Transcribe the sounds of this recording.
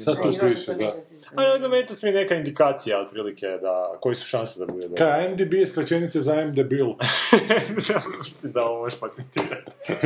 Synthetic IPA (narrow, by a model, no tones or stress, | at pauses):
sad̪tupiːʃed̪a | anameːt̪ilasmienekaind̪ikaːt̪sijaot̪̚pɾiːliked̪akojesu̥ʃansed̪abud̪ed̪okajend̪ibieskɾat͡ɕenit̪ezaemd̪ebilˠ | amislimd̪aomoɾʃpat̪ent̪iːɾat̪